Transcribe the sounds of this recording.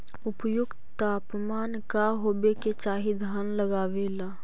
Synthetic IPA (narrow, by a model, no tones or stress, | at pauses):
ʊpjʊɡ | t̪aːpmaːnkaɦoːbeket͡ʃaːɦid̪ʱaːnləɡaːʋelaː